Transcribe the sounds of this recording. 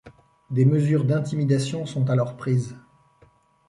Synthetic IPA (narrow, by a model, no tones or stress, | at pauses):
d̪eməzyʁd̪ɛ̃t̪imid̪asjɔ̃sɔ̃t̪alɔʁpχiːz